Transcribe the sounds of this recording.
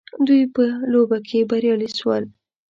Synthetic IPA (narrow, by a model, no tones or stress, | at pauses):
d̪ujpəlobakʰebaɾjɑliswə̰l